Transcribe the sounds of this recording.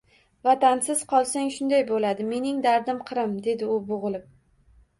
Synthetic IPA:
vat̪ansɪz̥qʰɒlˠsaŋʃʊnd̪ajbolad̪ɪme̞nɪŋd̪aɾd̪ɪmqʰɨɾɪmd̪e̞d̪ɪʊbʊʁɨlˠɪp̚

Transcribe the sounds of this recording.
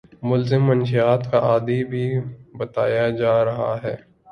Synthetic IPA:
mʊlzɪmːɐnʃiaːt̪kaʔaːd̪ibʱibɐt̪aːjad͡ʒaːɾɐɦa̰ɦɛː

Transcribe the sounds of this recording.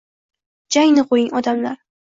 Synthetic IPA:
d͡ʒaŋnɪqʰojɪŋɒd̪amlaɾ

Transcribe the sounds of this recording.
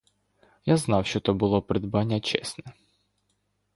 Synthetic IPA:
jaznɑwʃt͡ʃɔt̪ɔbʊlˠɔpɾɪd̪bɑnʲːɐt͡ʃɛ̰snɛ

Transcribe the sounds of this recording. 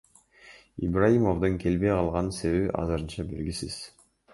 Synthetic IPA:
ḭbrajimovd̪oŋkʰe̞lbe̞jqʰɑlˠʁɑnse̞βeβʔɑ̰zɯɾɯnt͡ʃɑbe̞ɾɡʲisiz̥

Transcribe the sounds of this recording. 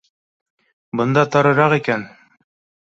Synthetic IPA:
bɤ̆nd̪ɑt̪ɑɾɤ̆ɾɑqikæn

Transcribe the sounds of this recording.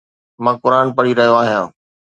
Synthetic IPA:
mãːkʊɾaːnpɐɽiɾɐɦɪ̃oaːɦijãː

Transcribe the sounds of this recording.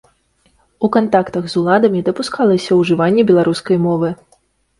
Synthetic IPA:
ukant̪akt̪ɐɣzulˠad̪ɐmʲid̪ɐpuskalˠɐsʲɐwʐɨvanʲːɛbʲɛlˠaɾuskɐjmɔvɨ

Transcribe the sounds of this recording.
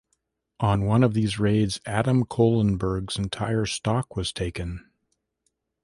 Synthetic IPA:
ʔə̃nwʌ̃nʌvðizɹeɪdzæɾə̃mkʰoʊlˠə̃nbə˞ɡz̥ɨ̃n̩tʰaɪə˞stɑkwʌz̥tʰeɪkɨ̃n

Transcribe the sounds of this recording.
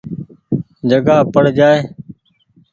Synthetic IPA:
d͡ʒəɡaːpəɽ̤d͡ʒaːeː

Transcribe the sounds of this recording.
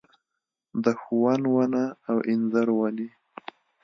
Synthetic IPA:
d̪əxuwanwanaːwʔɪnzaɾwani

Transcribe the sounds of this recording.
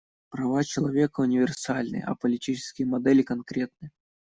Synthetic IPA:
pɾɐvat͡ɕɪlˠɐvʲekəʊnʲɪvʲɪrsalʲnɨ̰j̰ɐ̰pəlʲɪtʲit͡ɕɪ̥skʲɪjəmɐd̪ɛlʲɪkɐnkɾʲet̪̚nɨj

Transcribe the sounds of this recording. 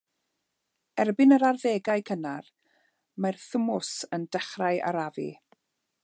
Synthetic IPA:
ɛrbɪnəɾarveːɡajkʰənar | marθʊmʊsəndɛχrajʔa̰ɾavḭ

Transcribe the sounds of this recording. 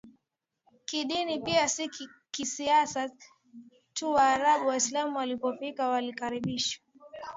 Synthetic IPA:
kiɗinipiasikkisiasa | tuwaːɾaɓuwaislamuwalipɔfikawalikaɾiɓiʃwḁ

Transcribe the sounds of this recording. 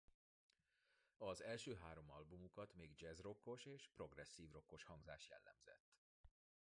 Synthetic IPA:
ɒzɛlʃøːɦaːɾo̞mɒlbumukɒt̪meːɡd͡ʒɛzro̞kːo̞ʃeːʃpro̞ɡrɛsːiːvro̞kːoʃhɒŋɡzaːʃjɛ̰lːɛ̰mzɛ̰t̪ː

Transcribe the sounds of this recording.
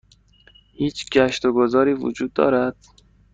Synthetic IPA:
hiːt͡ʃɡæʃt̪oɡozɒːɾiːvṵd͡ʒuːd̪̚ːɒ̰ːɾæd̪̥

